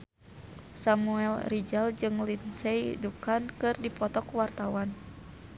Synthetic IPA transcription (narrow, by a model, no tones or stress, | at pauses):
samuɛlrid͡ʒald͡ʒɨŋlinsɛjdukankɨrdipɔt̪ɔkwart̪awan